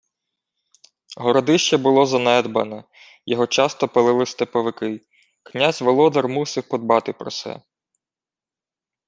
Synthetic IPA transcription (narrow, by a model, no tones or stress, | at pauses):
ɦɔɾɔd̪ɪʃt͡ʃɛbʊlˠɔzɐnɛd̪bɐnɛ | jɔɦɔt͡ʃɑst̪ɔpɪlˠɪlˠɪst̪epɔʋɪkɪ | knʲazʲʋɔlˠɔd̪ɐrmusɪxpɔd̪̚bɑt̪ɪpɾɔsɛ̰